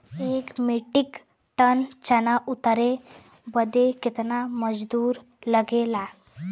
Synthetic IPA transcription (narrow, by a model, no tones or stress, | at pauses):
ekmiʈik | ʈənt͡ɕənaʔut̪əɾe | bəd̪ʱeket̪naməd͡zd̪uːɾ | ləɡela